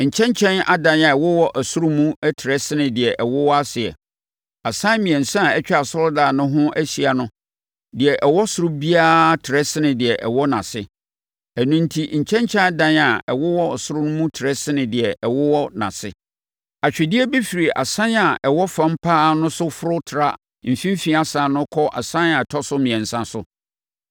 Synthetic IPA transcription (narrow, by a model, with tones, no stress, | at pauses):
ɲ̩˨t͡ɕʰɛ̃˦ɲ˦t͡ɕʰɛ̃˦na˦dã˨na˨ɛ˨wɔ˦wɔ˦ʔæ˨sʊ˦ɾʊ˦mũ˦æ˦tʰɪ˨ɾɛ˦sɪ˦nɪ̃˨dɪ˨ɛ˨ʔɛ˨wɔ˦wɔ˦a˦sɪ˨ɛ̰˨ | a˨sã˦mĩ˨ɛ̃˨n̩˨sã˦˨ɛ˦t͡ɕᶣa˨sɔ˦ldaː˨nʊ̃˦ɦʊ̃˦ʔæ˦ɕi˨a˨nʊ̃˦ | dɪ˨ɛ˨ʔɛ˨wɔ˦sʊ˦ɾʊ˦bi˦aː˦tʰɪ˨ɾɛ˦sɪ˦nɪ̃˨dɪ˨ɛ˨ʔɛ̰˨wɔ˦nã̰˨sɪ˦ | æ˨nũ˦n̩˦tʰi˦˨ɲ̩˨t͡ɕʰɛ̃˦ɲ˦t͡ɕʰã˦dã˦n˨a˨ɛ˨wɔ˦wɔ˦˨sʊ˦ɾʊ˦nʊ̃˦mũ˦tʰɪ˨ɾɛ˦sɪ˦nɪ̃˨dɪ˨ɛ˨ʔɛ˨wɔ˦wɔ˦nã̰˨sɪ̰˦ | a˨t͡ɕᶣɛ˨dɪ˦ɛ˦bɛ˦fi˨ɾi˨ʔa̰˨sã˦na˨ʔɛ˨wɔ˦fã˦m̩˦pʰaː˦nʊ̃˦sʊ˦fʊ˦ɾʊ˦tʰɪ˨ɾa̰˦ | m̩˨fĩ˦m˦fĩ˦a˨sã˨nʊ̃˦kʰɔ˦ʔa̰˨sã˦na˨tʰɔ˦sʊ˦mĩ˨ɛ̃˨nsã˦sʊ˦